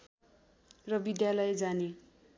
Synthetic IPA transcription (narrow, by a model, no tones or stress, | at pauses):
rʌbid̪jalʌjd͡zane